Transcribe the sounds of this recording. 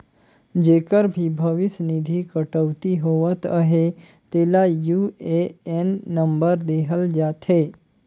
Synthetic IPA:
d͡ʒeːkəɾbʱibʱəʋɪsnɪd̪ʱikəʈəʋt̪iɦoʋət̪əɦe | t̪eːlajuːeenːəmbəɾd̪eːɦʰəld͡ʒaːt̪ʰɦeː

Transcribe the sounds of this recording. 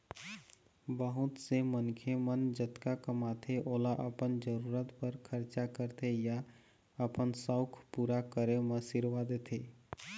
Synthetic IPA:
bəɦʊt̪semənkʰemənd͡ʒət̪kakəmaːt̪ʰeʔoːlaʔəpənd͡ʒəɾuːɾət̪pəɾkʰəɾt͡ʃakəɾt̪ʰeja | əpənsəʊkʰpuːɾakəɾemə̃sɪɾʋad̪eːt̪ʰeː

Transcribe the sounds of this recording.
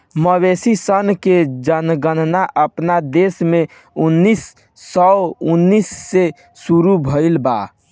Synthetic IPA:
məwesisənked͡ʒənɡənnaʔəpnad̪esme | unːisː | ɔunːisːe | suɾubʱəɪlba̰

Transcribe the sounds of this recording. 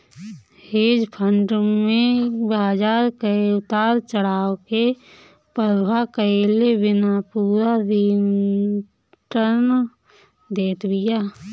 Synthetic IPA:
heːd͡ʒpʰəɳɖmẽbaːd͡ʒaːɾkəʊt̪aːɾt͡ʃəɽaːoke | pəɾbʱakəelebɪnapuːɾad̪in | ʈən | d̪eːt̪bɪjaː

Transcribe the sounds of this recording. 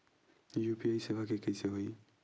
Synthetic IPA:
jupiajsebʱakekəjseɦoj

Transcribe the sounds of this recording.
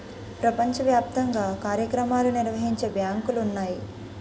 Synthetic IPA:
pɾɐpɐɲt͡ʃɐʋjaːp̚t̪ɐŋɡaːkaːɾjɐkɾɐmaːluniɾʋɐɦiɲt͡ʃe̞bjaːŋkulunːaːji

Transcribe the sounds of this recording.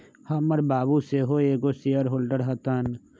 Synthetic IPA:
hɐmɐɾbaːbuseɦoːeːkosijəɾɦoːlɖəɾɦɐt̪an

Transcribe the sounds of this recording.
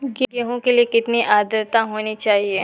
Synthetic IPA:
ɡɡeɦõkeliekɪt̪niʔaːd̪əɾt̪aɦoːnit͡ʃaːɦieː

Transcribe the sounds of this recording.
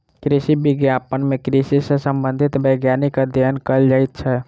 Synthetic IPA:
kɾisibiɡjapənmekɾisisẽsəmbənd̪ʱit̪bəɡjanikəd̪jənkəld͡ʒajt̪t͡ʃʰɛ

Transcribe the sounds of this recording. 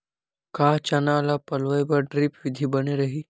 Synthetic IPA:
kaːt͡ʃɐnaːlapɐlʋəebɐɾɖɾɪpʋɪd̪ʱibɐneɾɐɦiː

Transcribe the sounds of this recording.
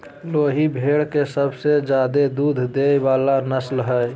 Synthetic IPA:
loːɦibʱeɽkesəbsed͡ʒjaːd̪ed̪uːd̪ʱd̪ebaːlanəslɦə

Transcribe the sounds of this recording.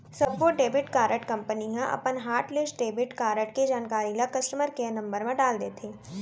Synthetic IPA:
sɐbʋoɖeːbɪʈkaːɾəʈkɐ̃mpəniɦɐ̃ʔɐ̰pənɦaːɾʈlɪsʈɖeːbɪʈkaːɾəʈked͡ʒaːnkaːɾilɐkɐsʈəməɾkenɐ̃mbəɾmẽɖaːld̪eːt̪ʰeː

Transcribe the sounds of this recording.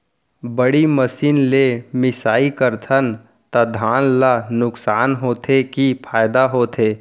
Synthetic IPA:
bəɽiməsiːnlemɪsaːikəɾt̪ʰən | t̪ɐd̪ʱaːnlanʊksaːnɦoːt̪ʰekipʰaːjd̪aɦoːt̪ʰeː

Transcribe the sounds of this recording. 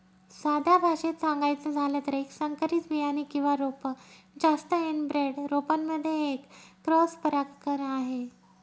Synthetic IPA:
sad̪ʱabʱaʂet̪saŋɡajt͡səd͡zʱalət̪əɾeksəŋkəɾiːt͡sbijañikĩw̃ʋaɾopə | d͡zast̪əenbɾeɽɾopamːəd̪ʱːjeːkːɾɔspəɾakkəɾaɦe

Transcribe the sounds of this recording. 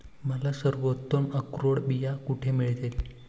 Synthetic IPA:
məlasəɾʋot̪ːoməkɾoɽbijakuʈʰemiɭd̪ele

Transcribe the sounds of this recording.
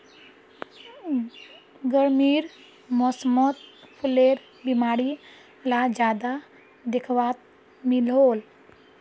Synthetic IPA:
ɡəɾmiːɾ | mɔsmɔt̪pʰuleːɾ | bimaːɽi | lad͡ʒaːd̪a | d̪ɪkʰʋaːt̪̚ | mɪlɦoːl

